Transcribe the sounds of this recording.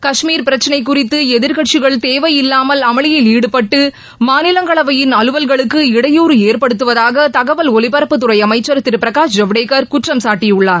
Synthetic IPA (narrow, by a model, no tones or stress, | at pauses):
kɐʂmiːɾpɪɾɐt͡ʃːɐnɐɪkːʊrɪt̪ːɯɛðɪɾɣɐʈt͡ʃɪɣɐɭt̪eːʋɐjɪlːaːmɐlɐmɐɭɪjɪliːɽɯpɐʈːɯ | maːnɪlɐŋɡɐɭɐʋɐjɪnɐlɯʋɐlɣɐɭɯkːɯɪɽɐjuːɾɯeːɾpɐɽɯt̪ːɯʋɐðaːɣɐt̪ɐɣɐʋɐlɔlɪbɐɾɐpːɯt̪ːɯrɐɪɐmɐɪt͡ʃːɐɾɐt̪ːɪɾpɪɾɐkaːʂd͡ʒɐʋɽeːkɐɾkʊʈrɐmsaːʈːɪjɯɭːaːɾ